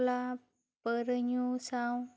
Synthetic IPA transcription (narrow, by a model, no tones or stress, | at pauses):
la | pəɾɲusãw